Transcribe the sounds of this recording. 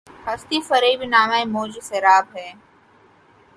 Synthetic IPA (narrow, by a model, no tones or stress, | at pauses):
hɐst̪iːfɐɾeibinaːmamoːd͡ʒseɾaːbɦɛː